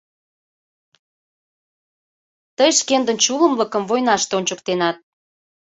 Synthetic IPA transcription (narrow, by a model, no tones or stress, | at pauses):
t̪əjʃkend̪ənt͡ɕuləmləkəmvojnɑʃt̪eonʲt͡ɕəkt̪enɑt̪̚